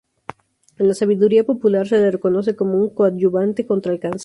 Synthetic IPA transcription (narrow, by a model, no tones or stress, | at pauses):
enlasaβ̞iðuɾiapo̞pulaɾse̞lereko̞no̞s̬e̞ko̞mouŋkoat̪̚ʝuβant̪e̞ko̞nt̪ɾalkans